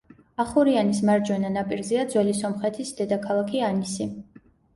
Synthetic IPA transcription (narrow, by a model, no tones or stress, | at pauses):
aχuɾianis̬maɾd͡ʒwɛnanapʼiɾzɛad̪zwɛlisɔmχɛt̪ʰisd̪ɛd̪akʰalˠakʰianisi